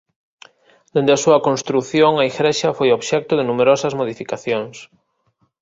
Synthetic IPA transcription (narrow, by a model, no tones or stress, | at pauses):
d̪̥end̪easuakonst̪ɾuθjoŋaiɣɾeʃafojoβʃɛk̚t̪oð̞enumeɾosazmoðifikaθjoŋs